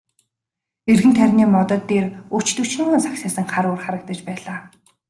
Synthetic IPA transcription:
erɣɘ̆nt̪ʰæɾʲniːmɔt̪ɞ̆t̪ːeːrut͡ɕt̪ɵ̥t͡ɕniːmuːnsaksaːsə̆ŋχaɾʊːrχaɾə̆k̚t̪ə̆t͡ɕpæːɮaː

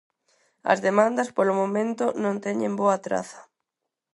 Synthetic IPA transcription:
ɐ̰zðemãnd̪ɐspolʊmomẽnt̪ʊnõnt̪ɛɲẽmboɐt̪ɾa̰θɐ̥

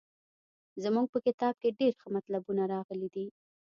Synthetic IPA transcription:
zəmuɡ̚pəkɪt̪ɑb̚keɖeɾxəmat̪labunaɾɑɣəlid̪i

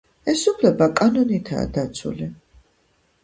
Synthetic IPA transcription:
ɛsupʰlɛbakʼanɔnit̪ʰa̰ːd̪̥at̪sʰṵli

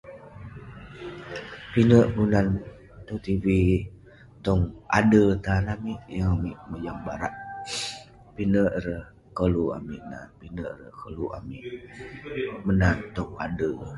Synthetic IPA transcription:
pinəʔbunan | t̪ut̪ivi | t̪ɔŋa̰dət̪anamiʔjəmiʔməd͡ʒaŋba̰ɾaʔ | pinəʔɾəh | kəlua̰mḭʔna̰npinəʔɾəhkəluʔa̰mḭʔ | mənant̪ɔŋa̰də

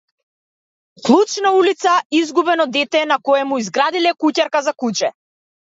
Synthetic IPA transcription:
klˠut͡ʃnaulit̪saizɡubɛnɔd̪ɛt̪ɛnakɔjɛmuizɡɾad̪ilɛkucaɾkazakut͡ʃɛ

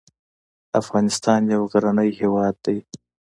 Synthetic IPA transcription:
afɣɑnɪst̪ɑnjawɣaɾanəjhewɑd̪ːaj

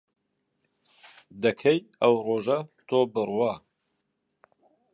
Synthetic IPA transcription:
d̪ɐkʰɐjɐwroːʒɐt̪ʰoːbɨrwa

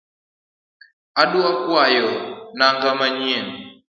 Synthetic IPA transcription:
aɗuakwajɔnaŋɡamaɲiɛn

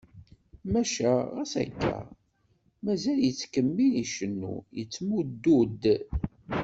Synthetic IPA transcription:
mæʃæʁæsæ̰kːæ̰ | mæzæljət͡sːkəmːiliʃənːṵjət͡sːmud̪ːud̪

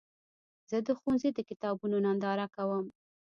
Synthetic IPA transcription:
z̥əd̪əxunzed̪əkɪt̪ɑbunonand̪ɑɾakawəm

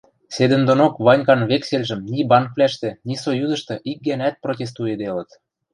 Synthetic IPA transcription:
sed̪ə̆nd̪onokβɑnʲkɑnβekselʲʒə̆mnʲibɑnk̚βlʲæʃt̪ĕnʲisojuzə̆ʃt̪ɤ̆ʔik̚ɡænæt̪̚protʲes̬t̪ued̪elə̆t̪

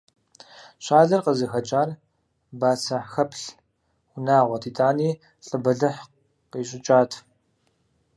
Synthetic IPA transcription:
ɕaːɮɐrqəzɨxɐt͡ʃʼaːr | baːsɐħxɐpʰɬ | xʷʊnaːʁʷɔtʰiːtʼaːniː | ɬʼɨbɐɮɨħ | qiːɕʼɪt͡ʃʼaːtʰ

